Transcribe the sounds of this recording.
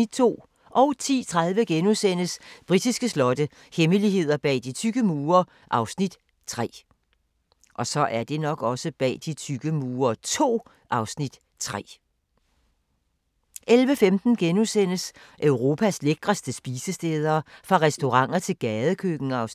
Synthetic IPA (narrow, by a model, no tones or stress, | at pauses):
id̥̚t͡sʰo̝̰ː | ʔɒ̽ʊt͡sʰḭːt͡sʰʁað̞ˠʋəɡ̥enusen̰əsb̥ʁid̥isɡ̥əslɒ̽d̥ə | heməliɦe̝ð̞̰ˠɐb̥ɛ̰ːd̥it͡sʰyɡ̥əmuːɐ | ʔɑ̈ʊsnid̥ | t͡sʰʁɛ̰ː | ʔɒ̽sɒ̽ʔæɐd̥e̝nɒ̽ɡ̥ɒ̽səb̥ɛ̰ːd̥it͡sʰyɡ̥əmuːɐt͡sʰo̝̰ː | ʔɑ̈ʊsnid̥ | t͡sʰʁɛ̰ː | ʔelʋəfemd̥n̩ɡ̥enusen̰əsʔøʊʁo̝ːpʰæsleɡ̥ʁɐsd̥əsb̥iːsəsd̥eːð̞ˠɐːfʁɑ̈ʁɛsd̥o̝ʁɑ̈ŋ̰ɐt͡sʰe̝lɡ̥ɛːð̞ˠəkʰøɡ̥n̩ɑ̈ʊs